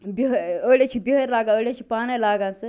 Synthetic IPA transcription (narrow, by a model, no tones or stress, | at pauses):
biɦəɾəɽet͡ʃʰibiɦəɾlaːɡãəɽʲet͡ʃʰi̥paːnelaːɡãsə